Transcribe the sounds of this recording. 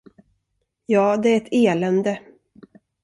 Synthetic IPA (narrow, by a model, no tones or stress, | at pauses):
jɑːd̪ɛæɾɛt̪ʰeːlɛnd̪ə